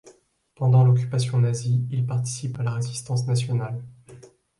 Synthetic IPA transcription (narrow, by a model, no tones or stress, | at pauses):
pɑ̃d̪ɑ̃lɔkʲy̥pasjɔ̃naziilpaʁt̪i̥sipalaʁezist̪ɑ̃snasjɔnal